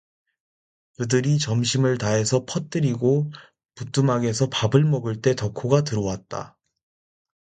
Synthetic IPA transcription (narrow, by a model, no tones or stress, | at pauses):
kɯdɯɾit͡ɕʌmɕʰimɯɭtaɦe̞sʰʌpʰʌt̚t͈ɯɾiɡo | put͈umaɡe̞sʰʌpabɯɭmʌɡɯɭt͈e̞tʌkʰoɡat̬ɯɾowat̚t͈a̰